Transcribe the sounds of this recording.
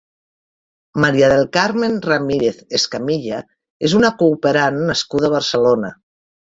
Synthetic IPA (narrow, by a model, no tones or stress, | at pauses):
maɾiaðelˠkaɾmenramiɾeθeskamiʎa | ezunakuːpeɾanːaskuðaβəɾselona